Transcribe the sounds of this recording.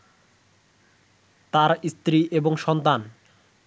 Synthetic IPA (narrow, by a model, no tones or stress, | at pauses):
t̪aɾist̪ɾiʔeboŋʃɔnt̪an